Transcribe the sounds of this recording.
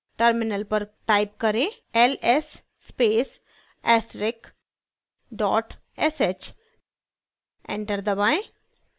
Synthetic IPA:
ʈəɾmɪnəlpɐɾʈaːɪp̚kɐɾẽ | ɛlesː | peːs | ɛːsɾɪk | ɖɔːʈ | ɛset͡ʃ | ḛ̃ɳʈəɾd̪ɐbaːẽ

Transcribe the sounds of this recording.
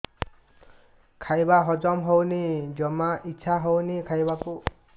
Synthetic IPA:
kʰajbaɦɔd͡ʒɔmɦownid͡ʒɔmaʔitːʃʰaɦownikʰajbaku

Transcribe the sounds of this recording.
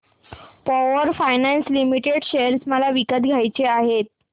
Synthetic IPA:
pɔʋəɾfajnanslimiʈeɖɕeəɾsməlaʋikəd̪ɡʱajt͡ɕeaɦet̪̚

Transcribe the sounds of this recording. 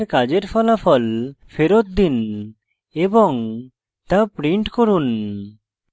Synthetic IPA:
ɾkad͡ʑeɾpʰɔlapʰɔlfʰeɾot̪̚d̪in | ebɔŋ | t̪apɾiɳʈkoɾun

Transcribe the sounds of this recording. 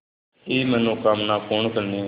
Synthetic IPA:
eːmɛ̃ːnũːkamnaːkʊɳkəɾneː

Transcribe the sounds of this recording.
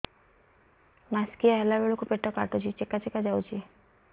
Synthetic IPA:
maskijaɦɛlabeɭokupeʈɔkaʈɔt͡ʃʰit͡ʃekːat͡ʃekad͡ʒawt͡ʃʰi

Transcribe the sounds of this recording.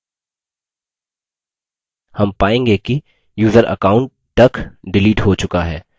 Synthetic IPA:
hɐmpaːẽːŋɡeki | juːzəɾʔə̰kaːʊ̃ɳʈ̪ːɐkɖɪliːʈɦot͡ʃʊkaɦɛː

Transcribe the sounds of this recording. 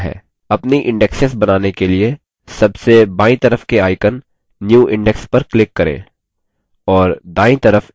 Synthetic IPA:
ɦɛ̰ː | ɐpniʔɪ̃ɳɖɛksesbɐnaːnekelie | sɐbsebaːĩt̪ɐɾəfkeaːɪkənː | juːʔɪ̃ɳɖɛkspɐɾklɪkːɐɾḛ̃ː | ɔːɾd̪aːĩt̪ɐɾəf

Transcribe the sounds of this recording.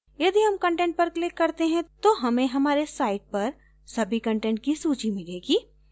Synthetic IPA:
jɐd̪iɦɐmkɐ̃ɳʈɛ̃ɳʈ̚pɐɾklɪkːɐɾt̪eɦɛ̃t̪oɦɐmẽɦɐmaːɾesaːɪʈ̚pɐɾ | sɐbʱikɐ̃ɳʈɛ̃ɳʈ̚kisuːt͡ʃimɪleːɡiː

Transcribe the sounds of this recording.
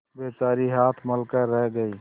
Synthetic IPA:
beːt͡ʃaːɾiɦaːt̪ʰməlkəɾɛɦɡəi

